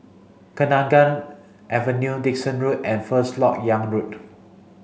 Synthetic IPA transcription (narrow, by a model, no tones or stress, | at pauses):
kənãŋɡãn | ʔɛvə̃njudik̚sə̃nɹutɛ̃nfəslɔk̚jãŋɹut